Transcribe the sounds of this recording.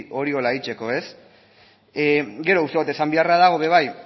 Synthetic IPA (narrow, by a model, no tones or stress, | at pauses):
o̞ɾio̞laeit͡ʃe̞ko̞e̞s | ɡe̞ɾo̞ust̪eat̪e̞sambiaraðaɣ̞o̞βe̞βaj